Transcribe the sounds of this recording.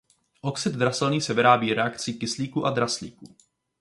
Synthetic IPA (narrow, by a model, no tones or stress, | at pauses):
ʔo̞ksɛd̪d̪ɾasɛlniːsɛvɪɾaːbiːɾɛakt͡sikɪsliːkuːʔad̪ɾaslḭːkuː